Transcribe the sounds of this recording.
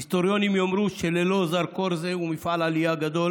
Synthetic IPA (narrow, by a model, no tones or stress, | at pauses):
st̪oɾjonimiomɾuʃelelozaɾkoɾzekumifalaliaɡad̪o